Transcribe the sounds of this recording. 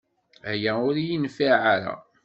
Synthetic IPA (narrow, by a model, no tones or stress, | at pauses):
æjæʊɾjinfaʕaɾæ̰